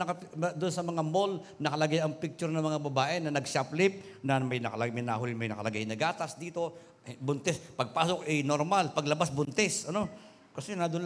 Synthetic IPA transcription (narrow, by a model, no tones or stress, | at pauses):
nɐkɐd̪ʊnsɐmɐŋamol | nɐkɐlɐɡajɐŋpɪk̚t͡ʃʊɾnɐmɐŋabɐbaːʔɪnɐnɐɡʃaplɪp̚nɐmɐjnɐkɐlɐɡmɐjnaɦʊlɪmɐjnɐkɐlɐɡajnɐɡaːt̪ɐsd̪iːt̪o̞ | bʊnt̪ɛspɐɡ̚paːsokɛnoɾmalpɐɡlɐbasbʊnt̪ɛsɐno̞ | kɐsɛnad̪ʊn